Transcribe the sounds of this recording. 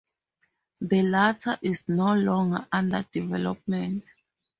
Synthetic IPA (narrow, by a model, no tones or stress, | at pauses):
ðəlatʰaʔisnolɔ̃ŋɡaʔãnda̰divɛlɔ̰p̚mɛ̃nt